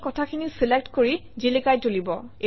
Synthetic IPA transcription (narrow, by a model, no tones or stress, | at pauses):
kɔtʰakʰinisilek̚tkoɹizilikajtolibɔe